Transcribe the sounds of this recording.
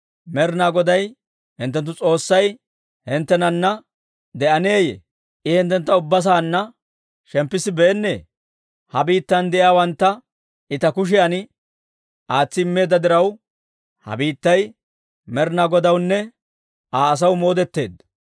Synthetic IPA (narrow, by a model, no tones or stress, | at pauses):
mɛɾnaːɡɔd̪ɐj | hɪnt̪̬ːɛnt̪̬ːʊt͡sʼo̞ːsːɐj | hɪnt̪ːɛnɐnːɐ | d̪ɛʔɐneːjḛ | ʔɪhɛnt̪ːɛnt̪ːɐʊbːɐs̬aːnːɐ | ʃɛmpːɪsɪbeːnːḛː | hɐbiːt̪ːɐnd̪ɛʔɪjaːwɐnt̪ːɐ | ɪt̪ɐkʊʃ̬ɪjɐnɪ | ʔaːt͡sːɪɪmːe̞ːd̪ːɐd̪ɪɾɐw | hɐ̰biːt̪ːɐj | mɛɾnaːɡɔd̪ɐwnːɛ | aːs̬ɐwmo̞ːd̪ɛt̪ːe̞ːd̪